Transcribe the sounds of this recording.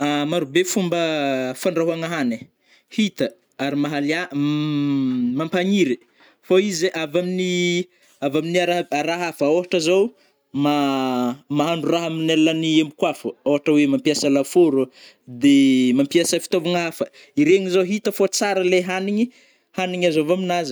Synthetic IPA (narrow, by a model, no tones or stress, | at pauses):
amaɾubefumbəfaɳɖ͡ʐaɦaŋaɦane | hit̪ə | aɾimaɦalia | mampaɲiɾi | foizeʔavamini | avaminiaɾaaɾaɦafəoɦaʈ͡ʂəzow | ma | maɦaɳɖ͡ʐuraɦaminelːaniembukwafuoɦaʈ͡ʂəwemampiasəlafoɾu | d̪emampiasəfi̥t̪ovaŋaɦafə | iɾeŋizowɦit̪əfot͡saɾəleɦaniɲi | haniɲazovaminazə